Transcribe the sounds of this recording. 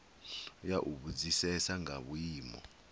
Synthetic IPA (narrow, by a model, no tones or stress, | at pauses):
jaʔuɓud͡zisɛsaŋaɓujiːmɔ̰